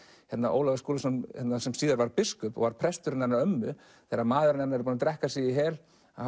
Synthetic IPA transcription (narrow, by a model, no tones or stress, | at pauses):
hɛt̪naʔo̰ːwlavaskoːlasɔnhɛt̪nasɛmsiːðaɾvaɾpɪskʏpɔ̰ɣvaɾ̥pʰɾɛst̪ʏɾɪnanːaɾœmːʏ | θɛːɾamaːðʏɾɪnanaɛɾpuːnat̪ɾɛhkasiiɦɛːl